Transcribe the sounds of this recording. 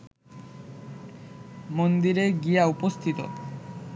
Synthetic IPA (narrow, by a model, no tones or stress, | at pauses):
mond̪iɾeɡiaupost̪ʰit̪o̰